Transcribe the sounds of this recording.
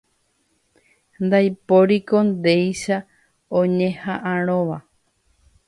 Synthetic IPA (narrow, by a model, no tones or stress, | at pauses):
nd̪ajpoɾiko̞nd̪e̞jʃa | õɲẽhãʔãɾ̃õʋa